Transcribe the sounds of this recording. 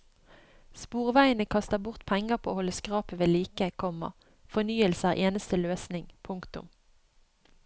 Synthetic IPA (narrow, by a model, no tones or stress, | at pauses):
spuːʁʋæɪənəkʰɑst̪əbʊʁt̪pʰɛŋəpʰoːoːhɔlːəskʁɑːpəʋeːliːkəkʰɔmɑ̰ | fɔnyːəlsəʁʔeːnəst̪əløːsnɪŋpʰʊŋkt̪ʊ̰m